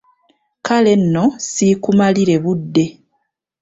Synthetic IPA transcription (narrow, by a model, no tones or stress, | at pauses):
kale̞nːo̞sikumaliɾe̞βudːe̞